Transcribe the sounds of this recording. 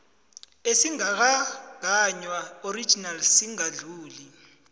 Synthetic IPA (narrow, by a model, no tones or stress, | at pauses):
esiŋak̬aɡʱaɲwaoɾi̥d͡ʒʱinalsiŋaɮuːli